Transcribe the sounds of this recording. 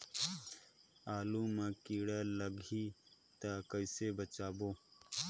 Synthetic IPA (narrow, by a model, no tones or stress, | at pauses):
aːluːmakiːɽaːlɐɡi | t̪akəisebət͡ʃaːboː